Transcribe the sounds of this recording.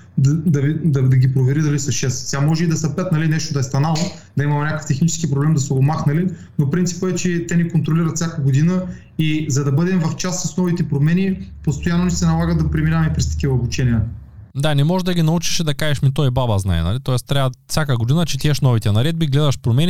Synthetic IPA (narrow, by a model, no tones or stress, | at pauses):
d̪ɐd̪ɐvid̪ɐd̪ɐɡʲipɾovɛɾid̪ɐlisɐʃɛst̪sʲamɔʒɛid̪ɐsɐpɛt̪nɐlinɛʃt̪od̪ɐɛst̪ɐnalˠə | d̪ɐimɐmɛnʲakə̥ft̪ɛxnit͡ʃɛ̥skipɾoblɛmd̪ɐsɛomaxnɐli | nopɾint̪i̥pəɛt͡ʃɛt̪ɛnikont̪ɾoliɾɐt̪fsʲjakəɡod̪inə | izɐd̪ɐbɤd̪ɛmvɐft͡ʃassɐsnɔvit̪ɛpɾomɛnipost̪ojanːonisɛnɐlˠaɡəd̪ɐpɾiminavɐmɛpɾɛst̪ɐ̥kʲivɐobut͡ʃɛnʲiəd̪anɛmɔʒd̪ɐɡʲinɐut͡ʃi̥ʃd̪ɐkaʒɛʃmit̪ɔibabɐzna̰j̰nɐ̰lit̪ɔɛst̪ɾʲavɐt̪fsʲakəɡod̪inɐt͡ʃɛt̪ʲiɛʃnɔvit̪ɛnɐɾɛd̪̚biɡlɛd̪ɐʃpɾomɛnʲi